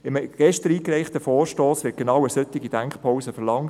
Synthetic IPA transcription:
ɪmɡ̥ɛʃtəɾiːkɾɛɪχtəfɔːɾʃtoːsʋɪːt̚ɡ̥enɑwəsœtːɪɡid̥æŋkχpʰɔwsəfəlɑŋ

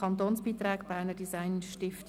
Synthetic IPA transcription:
ɑnt̪oːnsb̥iːt̪rɛːɡb̥æːnədisaɪnʃtɪft

